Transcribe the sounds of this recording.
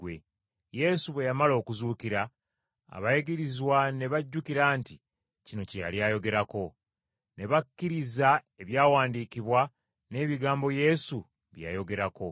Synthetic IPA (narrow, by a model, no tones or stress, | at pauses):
wḛ | je̞suβwe̞jamalo̞ːkuzuːkiɾa | a̰βajeɡiɾizwane̞βaɟːukiɾaːnti | cino̞ceja̰ljajo̞ɡe̞ɾako̞ | ne̞βakːiɾiza | e̞βjaːwaːndiːkiβwa | ne̞ːβiɡaːmbo̞je̞su | βja̰jo̞ɡe̞ɾako̞